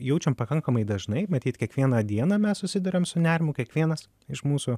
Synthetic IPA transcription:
jɛʊt͡ʃʲɛmpɐkɐŋkɐmɐɪd̪ɐʒnɐɪmɐt̪ʲiːt̪kʲiɛkʋʲiɛnɐd̪ʲiɛnɐmʲɛssʊsʲɪd̪ɐɾʲɛmsʊnʲæɾʲɪmʊkʲiɛkʋʲiɛnɐs | ɪʃmuːsʊ

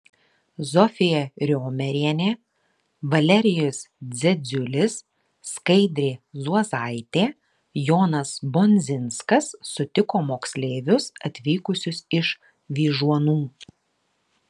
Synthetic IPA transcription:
zɔfʲɪjɛɾʲoːmʲɛɾʲiɛnʲeː | ʋɐlʲɛɾʲɪjʊsd̪zʲɛd̪zʲʊlʲɪsː | kɐɪd̪ʲɾʲeːzuɔzɑˑɪt̪ʲeː | joːnɐsbɔnʲzʲɪnskɐsːʊt̪ʲɪkoːmoːksʲlʲeːʋʲʊsɐt̪ʲʋʲiːkʊsʲʊsɪʃ | ʋʲiːʒuɔnuː

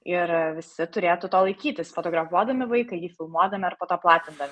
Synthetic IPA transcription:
ɪɾʋʲɪsʲɪt̪ʊɾʲeːjt̪ut̪oːlˠɐɪkʲiːt̪ʲɪsfoːt̪oɡɾɐfuɔd̪ɐmʲɪʋɐɪkɐɪjiːfʲɪlˠmuɔd̪ɐmʲɪɐrpoːt̪oːplˠɑːt̪ʲɪnd̪ɐʋʲɪ

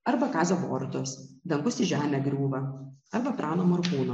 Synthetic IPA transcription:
ɐɾbɐkɑːzʲoʋoːɾt̪osd̪ʲɛŋkʊsɪʒʲæːmʲɛɡɾʲuːʋɐɐɾbɐpʲɾʔɑːnomoɾkuːno

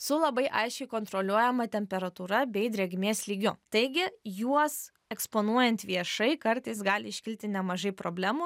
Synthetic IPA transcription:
sʊlˠɐbɐɪʔɐɪʃʲt͡ʃʲɛɪkoːnt̪ɾolʲuɔjɛmɐt̪ʲɛmʲpʲɛɾɐt̪uːɾɐbʲɛɪd̪ʲɾʲɛɡʲmʲeːslʲiːɡʲʊt̪ɐɪɡʲɪjuɔs | ɛkspoːnuɔjɛnʲt̪ʋʲiɛʃɐɪkɐɾt̪ɐɪsɡɑːlʲɪɪʃʲkʲɪlʲt̪ʲɪnʲɛmɐʒɐɪpɾoːbʲlʲæːmu

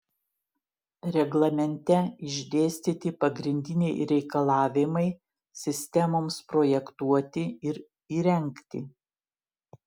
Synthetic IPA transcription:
ɾʲɛɡlˠɐmʲɛnʲt̪ʲɛɪʒʲd̪ʲeːsʲt̪ʲɪt̪ʲɪpɐɡɾʲɪnʲd̪ʲɪnʲɛɪɾʲɛɪkɐlˠɑːʋʲɪmɐɪ | sʲɪsʲt̪ʲɛmoːmspɾoːjɛkt̪uɔt̪ʲɪɪɾ | iːɾʲɛŋʲkt̪ʲɪ

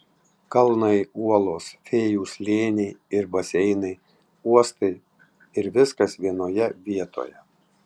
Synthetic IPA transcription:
kɐlˠnɐɪuɔlˠoːsfʲeːjuːslʲeːnʲɛɪɪɾbɐsʲɛɪnɐɪ | uɔst̪ɐɪ | ɪɾʋʲɪskɐsʋʲiɛnoːjɛʋʲiɛt̪o̰ːjɛ

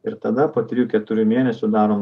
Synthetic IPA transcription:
ɪɾt̪ɐd̪ɐpoːt̪ʲɾʲɪjuːkʲɛt̪ʊɾʲʊmʲeɛnʲɛsʲʊd̪ɑːɾoː

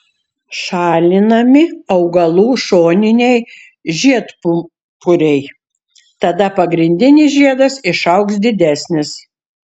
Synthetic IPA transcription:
ʃɑːlʲɪnɐmʲɪɐʊɡɐlˠuːʃoːnʲɪnʲɛɪ | ʒʲiɛt̪p | pʰʊɾʲɛɪ | t̪ɐd̪ɐpɐɡɾʲɪnʲd̪ʲɪnʲɪsʒʲiɛd̪ɐsɪʃɐʊksd̪ʲɪd̪ʲæːsʲnʲɪs

